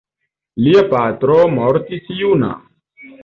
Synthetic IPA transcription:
lijɐpaːt̪ɾomɔɾt̪isijuːna̰ː

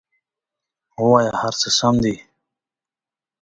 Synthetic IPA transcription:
uwajahaɾt͡səsamd̪i

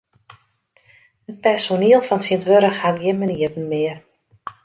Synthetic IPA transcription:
ət̚pɛrsoniəlˠfɔnsiəntʋøɾəxhatɡɪənmaniərn̩mɪər

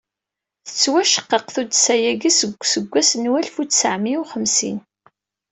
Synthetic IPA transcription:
θə̥t͡sːwæʃə̥qːəqθud̪sæjæɡisəɡʷsəɡʷːæsnwælfut͡sːsəʕmiwχəmsḭn

